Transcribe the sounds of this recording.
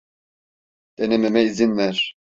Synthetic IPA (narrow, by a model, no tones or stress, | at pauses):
d̪̥ɛnɛmɛmɛizinvæɾ̥